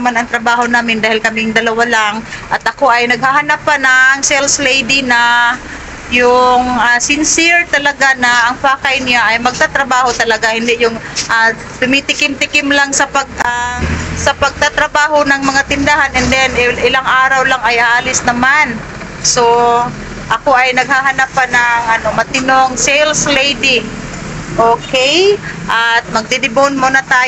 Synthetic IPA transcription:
ɐmanɐŋt̪ɾɐbaːho̞naːmɪnd̪aːhɪlkɐmɪŋd̪ɐlɐwalaŋʔɐt̪̚ʔɐko̞ʔɐjnɐɡ̚hahɐnapːanɐʔːŋsɛlslejd̪inɐ | jʊŋʔasɪnsɪɹt̪ɐlɐɡanɐʔɐŋpaːkɐjnaʔɐjmɐɡ̚t̪at̪ɾɐbaːho̞t̪ɐlɐɡahɪnd̪ɛʔjʊŋʔa | t̪ʊmit̪ɪkɪmt̪ɪkɪmlaŋsɐpɐɡ̚ʔasɐpɐɡ̚t̪at̪ɾɐbaːɦo̞nɐŋmɐŋat̪ɪnd̪ahanɛnd̪ɛnʔɪlaŋʔaːɾɐwlaŋɐjʔaːlɪsnɐman | so̞ | ʔɐko̞ʔɐjnɐɡ̚haɦɐnapːanɐŋʔɐno̞mɐt̪ɪnoŋsɛjlslejd̪i | ʔoːkejʔat̪̚mɐɡ̚d̪ɪd̪ɪbonmonɐt̪aː

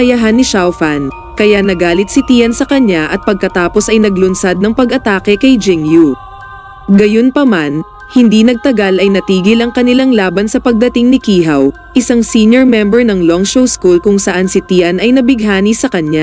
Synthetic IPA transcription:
ɐjɐɦanːɪʃawfɐn | kɐjanɐɡaːlɪt̪̚sɪt̪iːɐnsɐkɐɲaʔɐt̪̚pɐɡ̚kɐt̪aːposɐjnɐɡlʊnsad̪̚nɐŋpɐɡʔɐt̪aːkɛkɐjd͡ʒɛŋju | ɡɐjonpɐman | hɪnd̪inɐɡ̚t̪ɐɡalʔɐjnɐt̪iːɡɪlɐŋkɐnɪlaŋlaːbɐnsɐpɐɡ̚d̪ɐt̪ɪŋnɪkiːɦɐw | ʔɪsaŋsiɲjoɹmɛmbɛɹnɐŋlɔŋʃowskulkʊŋsɐʔansɪt̪iʔɐnɐjnɐbɪɡ̚ɦaːnisɐkɐɲa

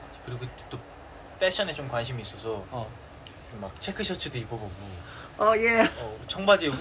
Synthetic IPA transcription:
kɯɾiɡot͈o | pʰeɕʰʌnet͡ɕomkwanɕ̬ʰimiːs͈ʌsʰʌ | mak̚t͡ɕʰekʰɯɕʰʌt͡ɕʰɯduipʰʌbʌɡu | ʌjeʌt͡ɕʌŋmad͡ʑe

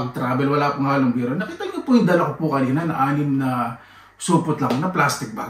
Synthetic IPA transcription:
ɐɡ̚t̪ɾaːbɛlwɐlaːpʊŋaːloŋbɛɾonɐkɪt̪ːɐlɡɐpʊjʊŋd̪ɐlɐkopʊkɐniːnɐnɐʔaːnɪmnɐ | suːpʊt̪lɐŋonɐplast̪ɪk̚ba̰

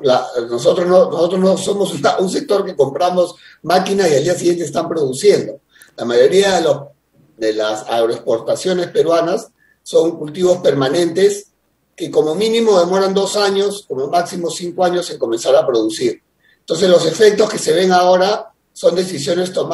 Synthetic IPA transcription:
lanoso̞t̪ɾoznonoso̞t̪̬ɾoznoso̞mosunauns̬e̞k̚t̪o̞ɾke̞ko̞mpɾamo̞s | makinasiald̪ias̬iɣje̞nt̪eːst̪ampɾo̞ðusje̞nd̪o | lamajo̞ɾiaðelos | d̪elasaɣɾoespo̞ɾt̪asjo̞ne̞spe̞ɾwanasː | o̞ŋkult̪iβo̞spe̞ɾmanẽ̞nt̪es | ke̞ko̞mo̞minimo̞ðe̞mo̞ɾand̪o̞saɲo̞sko̞mo̞maksimo̞siŋkoaɲo̞se̞ŋko̞me̞nsaɾapɾo̞ðusiɾ | ent̪o̞ns̬ezlo̞se̞fe̞k̚t̪o̞ske̞se̞βe̞ŋao̞ɾa | so̞nd̪e̞sisjo̞ne̞st̪o̞m

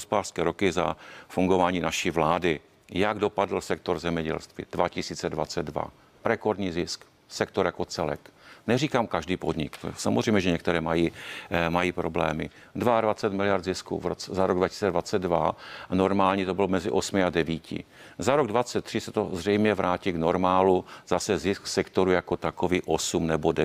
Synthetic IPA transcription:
ɦospodaːr̥skɛːɾo̞kɪza̰fuŋɡo̞vaːɲiːnaʃivlaːdɪ | jaɡdo̞padl̩sɛk̚t̪o̞ɾzɛmɲɛɟɛ̰lst̪vḭd̥vacɪsiːt͡sɛdvat͡sɛd̪va̰ | ɾɛkoɾdɲiːzɪsk | sɛk̚t̪oɾjakot͡sɛlɛ̰knɛriːkaːmkaʒdiːpodɲɪ̰ktsamozr̝ɛjmɲɛʒɛɲɛkt̪ɛɾɛːmajiːmajiːpɾoblɛ̰ːmɪ | dvaadvat͡sɛt̪mɪlɪjaɾd̪zɪskṵvɾot͡sɛzaɾoɡdvacɪ̥siːt͡sɛdvat͡sɛd̪vanoɾmaːlɲit̪o̞bɪlomɛzɪʔosmɪadɛviːcɪ̰ | zaɾoɡdvat͡sɛt̪ːr̥ɪsɛt̪o̞zrɛjmɲɛvɾaːciːɡno̞ɾmaːluz̥asɛzɪsksɛkt̪o̞ɾujakot̪akoviːʔosumnɛbodɛ

